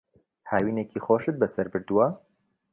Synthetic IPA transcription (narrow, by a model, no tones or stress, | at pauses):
haːwiːnekiːxɔːʃɨt̪̚bɛsɛɾbɨɾd̪uwa